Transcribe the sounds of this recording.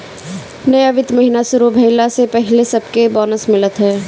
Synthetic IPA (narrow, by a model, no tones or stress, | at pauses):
nɐjaʋɪd̪mɐɦɪnasʊɾobʱɐɪlasepɛɦɪlesɐbkebɔːnəsmɪlət̪ɦɛː